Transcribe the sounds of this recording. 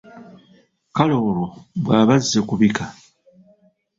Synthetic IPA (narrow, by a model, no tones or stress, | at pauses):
kalo̞ːɾoβwaːβazːekuβika